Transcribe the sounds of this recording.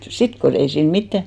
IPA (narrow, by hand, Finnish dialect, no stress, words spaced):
sit ko ei siːn mitːæ